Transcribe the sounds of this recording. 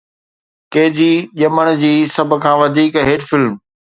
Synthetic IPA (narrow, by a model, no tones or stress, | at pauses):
keːd͡ʑiːʄɐməɽ̃d͡ʑiːsɐbʱʊ̆kʰãːʋɐd̪ʱiːkɦeːʈfɪlm